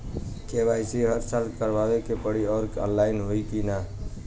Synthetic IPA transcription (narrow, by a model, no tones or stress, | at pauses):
kebajsiɦəɾsalkəɾbabekepəɽiɔːɾkə̰nlːajnɦoikina